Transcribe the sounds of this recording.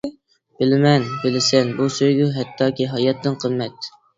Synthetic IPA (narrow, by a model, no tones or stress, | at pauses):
b̥ɪlɪmɛnbɪlɪsɛnbusøjɡʲuɦɛt̪ʰːɑːkʲiɦɑjɑt̪ʰːɪnqʰəmːɛt̪̚